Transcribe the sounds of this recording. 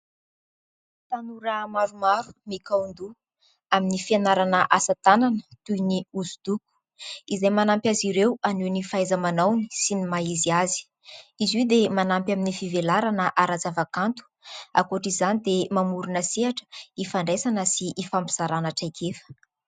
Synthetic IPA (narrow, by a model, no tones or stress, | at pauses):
t̪anuɾəmaɾumaɾu̥mikaund̪u | aminifianaɾanəʔasat̪ananə̥t̪ujniuzud̪̥uku̥ | izajmanampjaziɾewaninifajzəmanawni̥sinimaiziazi̥ | izwiwd̪emanampjaminifivelaɾanəʔaɾat͡savakant̪u̥ | a̰koʈ͡ʂizanid̪emamuɾunəseaʈ͡ʂə̥ifaɳɖ͡ʐesanəsiʔːfampiz̥aɾanaʈ͡ʂakʰefə̥